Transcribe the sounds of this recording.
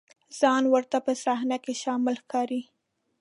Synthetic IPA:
z̥ɑnwəɾt̪apəsahnakeʃɑmɪlxkɑɾi

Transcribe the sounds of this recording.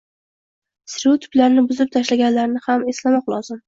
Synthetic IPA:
sɾut̪ʰʊ̥blaɾnɪbʊzɪp̚t̪ʰaʃlaɡʲanlaɾnɪhame̞slamɒqlˠɒzɪm

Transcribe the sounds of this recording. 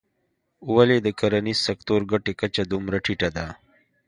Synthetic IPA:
uwaled̪əkaɾanisɐkt̪oɾɡaʈekat͡ʃad̪umɾaʈʰiʈad̪a

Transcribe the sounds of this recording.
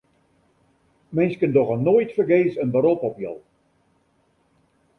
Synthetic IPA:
mɪnskəndɔɣənoːjtfərɡeːsənbəɾopɔpjɔ̰lˠ

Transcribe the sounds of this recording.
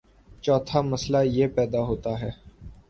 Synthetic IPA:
t͡ʃɔːt̪ʰamɐslajeːpɛːd̪aɦoːt̪aɦɛː

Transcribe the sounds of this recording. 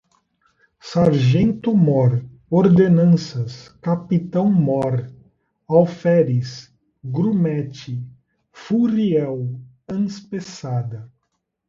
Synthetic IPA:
saɾʒẽnt̪ʊmɔɾ | oɾd̪enɐ̃sɐskapit̪ɐ̃w̃mɔɾ | awfɛɾis | ɡɾumɛt͡ʃɪ | furiɛw | ɐ̃nspesad̪ɐ

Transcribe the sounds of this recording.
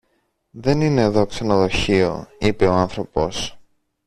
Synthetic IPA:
ðe̞nine̞ːðo̞ksenoðo̞çio̞̰ipe̞o̞anθɾo̞po̞s

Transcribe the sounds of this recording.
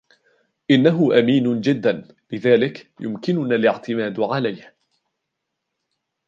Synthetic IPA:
ʔɪnːaɦʊʔamiːnʊd͡ʒɪd̪ːan | lɪðaːlɪkjʊ̰mkɪnʊnaːlɪʕt̪ɪmaːd̪ʕalajh

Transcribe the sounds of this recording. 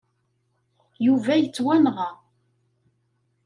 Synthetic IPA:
juvæjət͡sːwænʁɑ

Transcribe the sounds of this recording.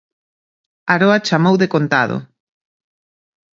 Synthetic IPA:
aɾoat͡ʃamowðekont̪aðo̰

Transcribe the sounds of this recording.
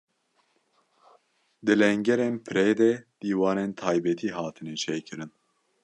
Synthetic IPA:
d̪ɨlɛŋɟɛɾɛnpʰɨɾɛjd̪ɛd̪̥iːwɑːnent̪ʰaːjbɛt̪ʰiːɦaːt̪ʰɨnɛt͡ʃʰɛjkʰɨɾɨn

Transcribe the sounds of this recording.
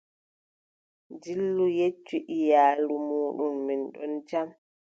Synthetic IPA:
d͡ʒilːujet͡ʃːuʔijaːlumuːɗumːinɗɔ̰nt͡ʃam

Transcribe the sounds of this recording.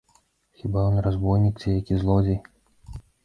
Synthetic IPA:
xʲibajɔnɾazbɔjnʲikt͡sʲijakʲizlˠɔd͡zʲej

